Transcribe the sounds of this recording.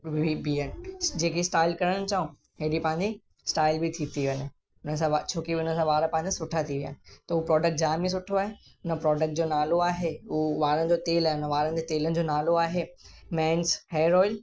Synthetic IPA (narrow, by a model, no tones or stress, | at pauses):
ibiːənɪ̆d͡ʑeːkʰesʈaːɪlkɐɾəɽ̃ɪ̆t͡ɕaːũ | ɦeɗipɐ̃ɦɪ̃ɲd͡ʑi | sʈaːɪlbit̪ʰit̪ʰiʋɐɲɪ̆ | ʊnəsãʋat͡ɕʰoːkiʊnəsãʋaːɾə̃pɐ̃ɦɪ̃ɲd͡ʑãsʊʈʰat̪ʰiʋija̰ːnɪt̪ɐupɾɔːɖək̚ʈ̚d͡ʑaːmĩs̬ʊʈʰoaːɦe | ʊnəpɾɔːɖək̚ʈ̚d͡ʑoːnaːloaːɦeʊoʋaːɾənɪ̆d͡ʑoːt̪eːlaːɪʊnəʋaːɾənɪ̆d͡ʑot̪eːlənɪ̆d͡ʑoːnaːloaːɦemɛ̃ːnsheːɾɔːɪl